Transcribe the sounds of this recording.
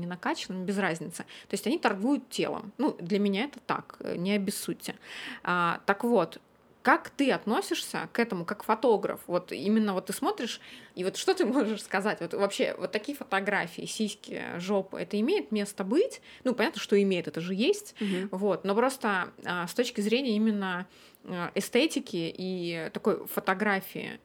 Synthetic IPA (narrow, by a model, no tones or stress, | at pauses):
nʲɪnɐkat͡ɕɪnəmbʲɪzɾazʲnʲɪt̪sɨt̪o̞ɪsʲtʲɐnʲit̪ɐrɡujʊt̪tʲe̞̰lˠə̰mnud̪lʲəmʲɪnʲaɛt̪ə̥t̪a̰knʲɪɐbʲɪsːutʲːɪat̪əkvo̞t̪ | kakt̪ɨɐt̪no̞sʲɪʂsʲə̰kɛt̪əmʊkakfɐt̪o̞ɡɾə̰fvo̞t̪ḭmʲɪnːəvo̞t̪ːɨsmo̞t̪ɾʲɪʂivo̞t̪ʂt̪o̞t̪ɨmo̞ʐɨʂskɐzatʲvo̞t̪vɐpɕe̞̰vot̪ːɐkʲijəfə̥t̪ɐɡɾafʲɪɪ̰sʲijsʲkʲɪjə̰ʐo̞pɨ̰ɛt̪əɪmʲejɪt̪mʲe̞st̪əbɨtʲnupɐnat̪nəʂt̪o̞ɪmʲejɪt̪ɛt̪əʐɨjesʲtʲvo̞t̪no̞pɾo̞st̪əast̪ot͡ɕkʲɪzɾʲenʲɪjəimʲɪnːə | ɛst̪etʲɪkʲɪʔit̪ɐko̞jfət̪ɐɡɾafʲɪ̰ɪ̰